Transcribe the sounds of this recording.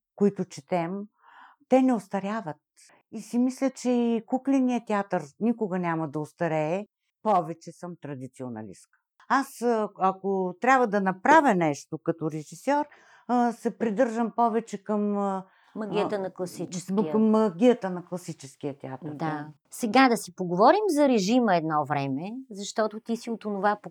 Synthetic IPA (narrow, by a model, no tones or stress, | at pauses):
kʊit̪ʊt͡ʃɛt̪ɛmː | ɛnɛost̪ɐɾʲjavət̪̚ | isimislʲət͡ʃɛikuklɛnijət̪ʲɛat̪əɾnikʊɡɐnʲamɐd̪ɐost̪ɐɾɛ | pɔvɛt͡ʃɛsəmt̪ɾɐd̪it̪sionɐ̰lḭskə̥ | asɐkot̪ɾʲabvɐd̪ɐnɐpɾavʲənɛʃt̪okɐt̪oɾɛʒisɔɾ | sɛpɾid̪ɤɾʒəmpɔvɛt͡ʃɛkəm | mɐɡiət̪ənɐklˠɐsikɐmːɐɡʲijət̪ənɐklˠɐsit͡ʃɛsk̟iət̪ʲɛat̪əɾd̪a | sɛɡad̪ɐsipoɡovɔɾimzɐɾɛʒiməɛd̪nɔvɾɛmɛzɐʃt̪ɔt̪ʊt̪isiot̪onʊvapo